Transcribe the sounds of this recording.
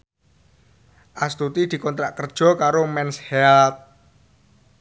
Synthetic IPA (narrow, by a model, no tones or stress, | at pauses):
ʔast̪ut̪id̪̥i̤kɔnt̪ɾaʔkərd̥ʒ̥ɔ̤kaɾomɛnshɛlt̪̚